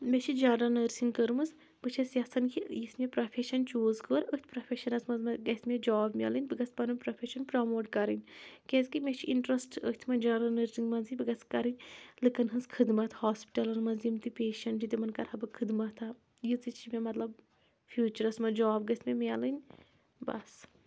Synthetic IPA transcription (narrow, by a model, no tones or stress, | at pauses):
mʲet͡ʃʰid͡ʒaːnɾɐnəːɾsiŋɡkəɾɨmɨs | bɨt͡ʃʰɐsjɐsɐnkʰijismʲepɾɐpʰeʃɐnt͡ʃoːzkəːɾət̪ʲʰpɾɐfʰʲeʃɐnɐsmɐzmɐɡɐt̪ʰʲmʲed͡ʒɔːbmʲɐ̰lɨnʲbɨɡɐt͡spɐnɨpɾɐpʰʲeʃɐnpɾamoːʈkɐɾɨnʲkʲezkimʲet͡ʃʰiʔiɳʈɾɐsʈə̰hʲt̪ʰmɐd͡ʒaːɾɐnəːɾsiŋɡmɐnzibɨɡɐt͡skɐɾɨnʲlɨkɐnɦɨnzkʰɨd̪mɐt̪ʰhaːspi̥ʈɐlɐnmɐnzjimt̪ipeːʃɐɳʈid̪imɐnkɐɾhɐbɨkʰɨd̪mɐt̪ʰa | jɨt͡sit͡ʃʰimʲemɐt̪lɐb̚ | fʰjuːt͡ʃɐɾɐsmɐd͡ʒɔːbɡɐst̪ʰʲmʲemʲalɨnʲ | bɐ̰s